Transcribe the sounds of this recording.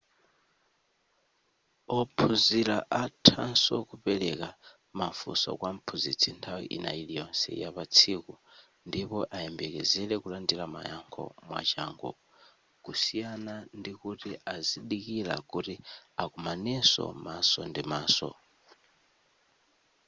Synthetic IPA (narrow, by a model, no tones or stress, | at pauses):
ɔpʰuziɾaʔatʰansɔkupɛlɛka | mafṵsɔ̰kwam̩pʰuzit͡sʰintʰawḭʔḭna̰ilijɔnsɛ̰japat͡sʰiku | ndipɔʔaɛmbɛkɛzɛlɛkulandilama̰jaŋkʰɔ̰mwa̰t͡ʃaːŋɡɔ | kusijanandikutiaziɗikila̰kutiakumanisɔ̰masɔndimaːsɔ̰